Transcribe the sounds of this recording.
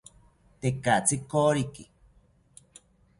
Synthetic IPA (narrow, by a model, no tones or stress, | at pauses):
t̪ekaʔt͡sikoɾiki